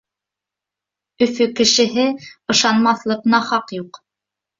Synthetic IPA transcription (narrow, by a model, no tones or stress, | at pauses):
ɵ̆fɵkɘ̆ʃɘ̆ɦɘɤ̆ʃɑnmɑθlˠɤ̆qnɑχɑqjuq